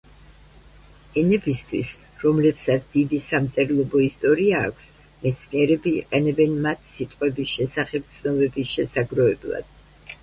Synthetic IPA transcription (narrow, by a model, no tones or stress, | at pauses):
ɛnɛbist̪ʰwḭs | ɾɔmlɛpsat̪sʰd̪̥id̪isamt̪sʼɛɾlˠɔbɔist̪ʼɔɾia̰ːkʷʰs | mɛt̪sʰniɛɾɛbḭːqʼɛnɛbɛnmat̪ʰsit̪ʼqʼwɛbisʃɛsaχɛb̚t̪sʰnɔbɛbisʃɛsaɡɾɔɛblˠa̰d̪̥